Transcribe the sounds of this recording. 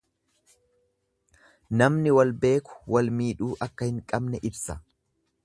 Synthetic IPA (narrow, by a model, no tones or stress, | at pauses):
nɐmnɪwɐlbe̞ːkʊ̥wɐlmiːᶑuːʔɐkːɐhɪŋkʼɐbnɛʔɪbsɐ